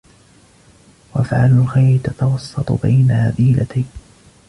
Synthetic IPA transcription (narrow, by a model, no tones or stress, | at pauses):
waʔafʕalʊlxajɾɪt̪at̪awɑsˤːɑt̪ˤʊ̰bajnaʔaðiːlat̪aj